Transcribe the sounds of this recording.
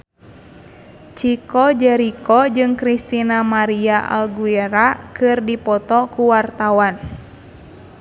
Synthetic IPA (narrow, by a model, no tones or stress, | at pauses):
t͡ʃikɔd͡ʒɛɾikɔd͡ʒɨŋkɾist̪inamaɾiaʔa̰lɡuɛɾakɨrdipɔt̪ɔkuwart̪awan